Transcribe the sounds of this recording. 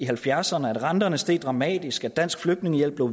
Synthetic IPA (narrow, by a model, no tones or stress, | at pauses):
iɦælfjæɐsɐnəæd̥ʁɑ̈nd̥ɐnəsd̥e̝̰ːd̥̚ˠd̥ʁɑ̈mɛ̰ːd̥isɡ̥æ̥æn̰sɡ̥fløɡ̥̚dne̝ŋəjel̰b̥le̝ʊ